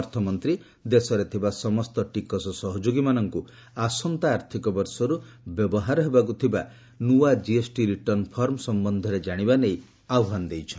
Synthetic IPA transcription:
ɾt̪ʰɔmɔnt̪ɾi | d̪esɔɾet̪ʰibasɔmɔst̪ɔʈikɔsɔsɔɦɔd͡ʒoɡimanɔŋku | asɔnt̪aːɾt̪ʰikɔbɔɾsɔɾubjɔbɔɦaɾɔɦebak̬ut̪ʰiba | nuad͡ʒiesʈiɾiʈɔɾnpʰɔɾmsɔmbɔnd̪ʱɔɾed͡ʒaɽ̃ibanej | awɔɦand̪ejt͡ʃʰɔn

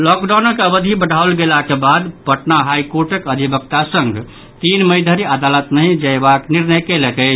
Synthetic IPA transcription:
lɔkɖanəkəbəd̪ʱibəɽʱaolɡelakebad̪pəʈnaɦajkoɾʈekəd̪ʱibəkt̪asəŋɡ | t̪inməjd̪ʱəɾiad̪alət̪nəjd͡ʒəebakniɾnəjkelet̪əɪt͡ʃʰ

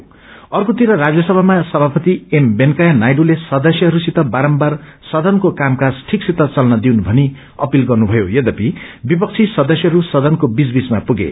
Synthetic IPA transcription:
ʌrkot̪iɾʌɾad͡zjʌsʌbʱamasʌbʱapʌt̪iembenkajanajɖulesʌd̪ʌsjʌɦʌɾusit̪ʌbaɾʌmbarsʌd̪ʱʌnkokamkad͡zʈʰiksit̪ʌt͡sʌlnʌd̪iwnubʱʌni | ʌpilɡʌrnubʱʌjojʌd̪ʌpibipʌk̚t͡sʰisʌd̪ʌsjʌɦʌɾusʌd̪ʱʌnkobisbismapuɡḛ

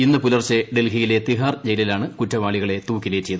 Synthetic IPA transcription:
inːɨpulɐrt͡ɕːeɖelɦijile̞t̪iɦaːrd͡ʑejlilaːɳɨkutːɐʋaːɭiɣɐɭe̞t̪uːkːileːt͡ɕːejɐðu

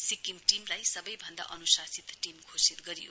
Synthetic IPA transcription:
sikimʈimlajsʌbʌjbʱʌnd̪a̰ʔʌnusasit̪ʈimkʰosit̪ɡʌɾijo̰

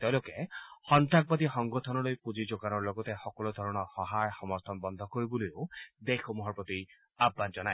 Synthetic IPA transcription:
t̪ewlokehɔnt̪ak̚bad̪ixɔŋɡɔt̪ʰɔnɔlojpud͡ʒid͡ʒoɡanɔɹloɡɔt̪exɔkɔlud̪ʱɔɾɔɽ̃ɔhɔɦajxɔmɔst̪ʰɔnbɔnd̪ʱɔkoɾibulijod̪exʰomuɦɔɹpɔt̪i | abːand͡ʒɔnaj

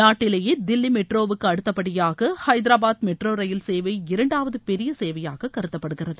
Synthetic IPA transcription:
naːʈːɪlɐjed̪ɪlːimɛʈroːʋɯkːɯɐɽɯt̪ːɐpːɐɽɪjaːɣɐhɐɪd̪ɪɾaːbaːd̪mɛʈroːɾɐjɪlseːʋɐɪɪɾɐɳɖaːʋɐðɯpɛɾɪjɐseːʋɐjaːɣɐkɐɾɯt̪ːɐpːɐɽɯɣɪrɐðɯ

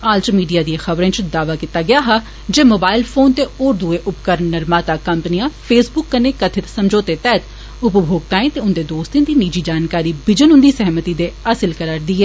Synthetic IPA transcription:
aːlt͡ʃmiːɖijaːd̪iãxəbɾẽːt͡ʃd̪aːʋaːkɪt̪aːɡɪjaːɦaː | d͡ʒeːmoːbaːɪlpʰoːnt̪eːoːɾd̪ueːʔʊpkəɾəɳːəɾmaːt̪aːkəmpənijãːpʰeːsbʊkːəneːkət̪ʰɪt̪səmd͡ʒoːt̪eːt̪ɛːt̪ | ʊpbʱoːɡ̚t̪ãːẽːt̪eːʊnd̪eːd̪oːst̪ẽd̪iːniːd͡ʒiːd͡ʒaːnkaːɾiːbɪd͡ʒənʊnd̪iːsɛɦmət̪iːd̪eːasəlkəɾaːɾd̪iːɦɛː

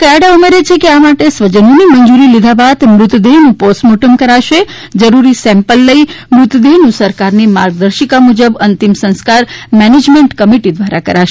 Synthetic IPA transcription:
kəjaɽaumeɾet͡ʃʰekeamaʈesʋəd͡ʒənoniməɲd͡ʒuɾilid̪ʱabat̪mɾʊt̪d̪eɦnũposʈmoʈəmkəɾaʃe | d͡ʒəɾuɾisɛ̃mpəlːəimɾʊt̪d̪eɦnũsəɾkaɾnimaɾɡ̚d̪əɾʃikamud͡ʒəbənt̪imsə̃ñskaɾmɛned͡ʒmẽɳʈkəmiʈid̪ʋaɾakə̰ɾaʃe

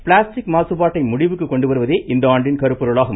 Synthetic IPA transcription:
pɪɭaːsʈɪkmaːsɯpaːʈːɐɪmʊɽɪʋɯkːɯkːɔɳɖɯʋɐɾɯʋɐðeːʔɪnd̪ɐaːɳɖɪnkɐɾɯpːɔɾɯɭaːɣɐm

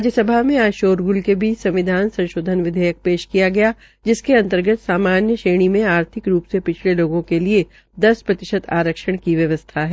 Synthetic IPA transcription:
ɾaːd͡ʒjəsɐbʱaɦmẽaːʃoːɾɡʊlkebʱisɐ̃mʋɪd̪ʱaːnsɐ̃nʃoːd̪ʱənʋɪd̪ʱəjək̚peːʃkijaɡɐja | d͡ʒɪskeɐ̃nt̪əɾɡət̪saːmaːnjəʃeːɽ̃imẽaːɾt̪ʰɪkɾuːpsepɪt͡ʃʰleloːɡõkelie | d̪ɐspɾɐt̪ɪʃət̪a̰ːɾəkʃəɽ̃kiʋjɐʋəst̪ʰaɦɛː

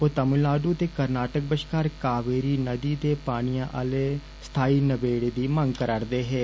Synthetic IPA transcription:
ot̪əmɪlaːɖuːt̪eːkəɾnaːʈək̚bəʃkaːɾkaːʋeːɾiːnəd̪iːd̪eːpaːɽ̃ɪjãːʔəleː | st̪ʰaːiːnəbeːɽeːd̪iːmə̃ŋɡkəɾaːɾd̪eːɦɛː

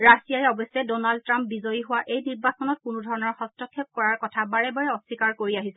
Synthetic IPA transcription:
ɹasijajɛɔbɔsɛdɔnald̚tːɹãmpbizɔjiɦʊwaʔejniɹbasɔnɔt̚kʊnʊdʱɔɹɔnɔɹxɔstɔkʰːep̚kɔɹaɹkɔtʰabaɹɛbaɹɛɔsikaɹkoɹiaɦisɛ

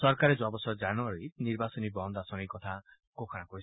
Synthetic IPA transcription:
sɔɾkaɾed͡ʒoabɔsɔd͡ʒanuaɾiniɾbasɔnibɔnd̪asɔnijkɔt̪ʰa | kokʰanakɔɾi

